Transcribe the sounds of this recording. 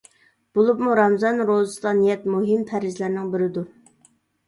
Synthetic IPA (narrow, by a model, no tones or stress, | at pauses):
b̥olˠupmuɾɑmzɑnɾozɨsd̪ɑnijɛt̪muɦɪmt̪ʰæɾɪzlæɾnɪŋbɪɾɪd̪u